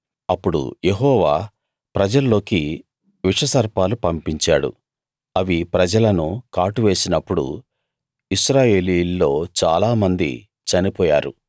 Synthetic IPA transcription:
ɐpːuɽṵje̞ɦɔːʋaː | pɾɐd͡ʒɐlːo̞ːki | ʋiʂɐsɐɾpaːlupɐmpiɲt͡ʃaːɽṵ | ɐʋipɾɐd͡ʒɐlɐnukaːʈuʋe̞ːsinɐpːuɽṵ | iʃɾaːje̞ːliːlːo̞ːt͡ʃaːlaːmɐnd̪ḭ | t͡ʃɐnipɔːjaːɾu

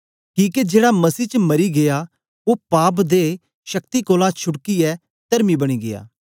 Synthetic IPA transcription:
kĩːked͡ʒeːɽamɐsiːt͡ʃəmɐɾiɡeja | opaːp̬d̪e | ʃɐk̚t̪ikoːlãt͡ʃʰʊɽkiɛ | t̪ɐɾmibɐɽ̃iːɡeja̰ː

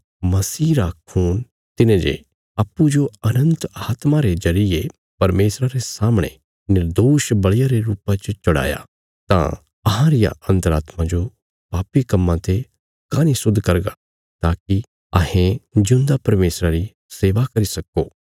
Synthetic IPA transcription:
mɐsiːɾakʰuːn | t̪ɪnẽd͡ʒḛ | aːpːud͡ʒoɐnə̃nt̪aːt̪maɾezɐɾɪje | pɐɾmeːsɾaɾesaːmɽ̃ḛ | nɪɾd̪oːʃbɐɭɪjaɾeɾuːpãt͡ʃt͡ʃɐɽa̰ːja̰ | t̪ã̰ | ɐɦãɾɪja̰ʔɐ̃nt̪əɾa̰ːt̪mãd͡ʒo | paːpikɐmːãt̪e | kaːnisʊd̪ʱːkɐɾɡa | t̪aːki | ɐ̰ɦẽd͡ʒʊ̃nd̪apɐɾmeːsɾaɾi | seːʋakɐɾisɐkoː

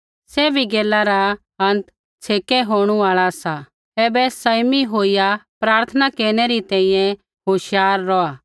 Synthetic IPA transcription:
sɛːbʱiɡeːlːaɾa | ɦɐ̃nt̪ | t͡sʰeːkɛɦoːɽ̃uaːɭasa | ɛːbɛsɐjmiɦoːijapɾaːɾt̪ʰənakeːɾɽ̃eɾit̪ɛ̃ːĩjɛ̃ | ɦoːʃjaːɾːɔaː

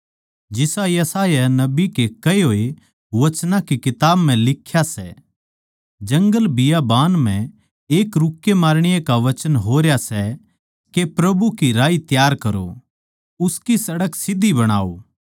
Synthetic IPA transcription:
d͡ʒɪsajɐsaːjanɐbikekɐeɦoːe | ʋɐt͡ʃnãkikɪt̪aːbmɛ̃lɪkʰːjasɛ̰ | d͡ʒɐ̃ŋɡəlbɪjabaːnm̤ɛ̃ | eːkɾʊkːemaːɾɽ̃ɪjekaʋɐt͡ʃənɦoːɾjasɛ | kepɾɐbukiɾaːit̪jaːɾkɐɾo̰ | ʊskisɐɽəksɪd̪ʱːibɐɽ̃a̰ːo̰ː

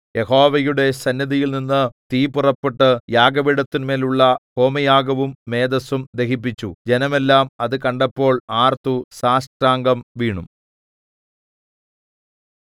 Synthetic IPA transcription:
je̞ɦo̞ːʋɐjuɽe̞sɐnːɐðijilninːɨt̪iːpurɐpːeʈːɨjaːɡɐʋiɽɐt̪ːinme̞ːluɭːɐho̞ːmɐjaːɡɐʋumːe̞ːd̪ɐsumd̪e̞ɦip̬ːit͡ɕːud͡ʑe̞nɐme̞lːaːmɐðɨkɐɳɖɐpːo̞ːɭaːrt̪usaːʂʈɾaːŋɡɐmʋiːɳum

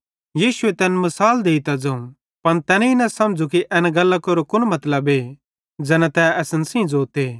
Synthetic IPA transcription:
jiːʃʊet̪ɛːnmɐsaːld̪eːit̪ad͡ʒɐũ | pɐnt̪ɛːninɐ̃sɐ̃md͡ʒukiʔɛːnɡɐlːakoɾokʊnmɐt̪ləbeː | d͡zɛːnãt̪ɛɛsənsĩd͡zoːt̪eː

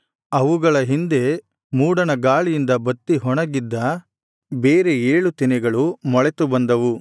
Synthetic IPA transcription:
ɐʋuɡɐɭɐɦind̪e̞ | muːɽɐnɐɡaːɭijind̪ɐbɐt̪ːiɦɔɳɐɡid̪ːɐ | beːɾeeːɭut̪inɛɡɐɭumɔɭet̪ubɐnd̪ɐʋu

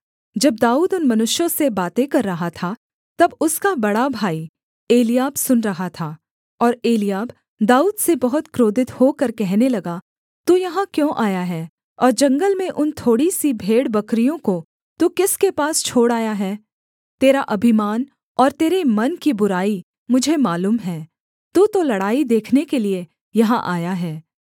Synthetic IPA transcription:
d͡ʒɐb̚d̪aːuːd̪ʊnmɐnʊʃjõsebaːt̪ekɐɾːɐɦat̪ʰa | t̪ɐbʊskabɐɽabʱaːi | eːlɪjaːbsʊnɾɐɦat̪ʰaː | ɔːɾeːlijaːb | d̪aːuːd̪sebɐɦʊt̪kɾoːd̪ɪt̪hokɐɾkɛɦnelɐɡa | t̪uːjɐɦãkjõːʔaːjaɦɛː | ɔːɾd͡ʒɐ̃ŋɡəlmẽʔʊnt̪ʰoːɽisibʱeːɽbɐkɾijõko | t̪uːkɪskepaːst͡ʃʰoːɽaːjaɦɛː | t̪eːɾaʔɐbʱɪmaːn | ɔːɾt̪eːɾemɐnkibʊɾaːi | mʊd͡ʒʱemaːluːmɦɛː | t̪uːt̪olɐɽaːid̪eːkʰnekelie | jɐɦãʔaːjaɦɛː

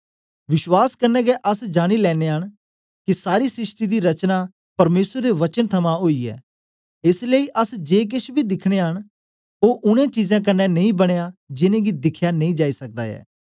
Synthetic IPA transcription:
ʋɪʃwaːskənɛːɡɛʔɐsd͡ʒaːɽ̃ilɛːneːɦəɽ̃ | kisaːɾiːsɾɪʃʈid̪iɾɐt͡ʃnaː | pɐɾmeːsəɾd̪eʋɐt͡ʃənt̪ʰɐmãɦoːiɛ̰ː | ɪsləiʔəsd͡ʒeːk̬ɪʃbʱid̪ɪkʰɽ̃eɦəɽ̃ | oːʔʊɽ̃ẽt͡ʃiːzãːk̬ɐnːɛnɐĩbɐɽ̃ejad͡ʒɪnẽːɡid̪ɪkʰjanɐ̃ĩːd͡ʒaːisɐk̚d̪a̰ːɛ̰ː

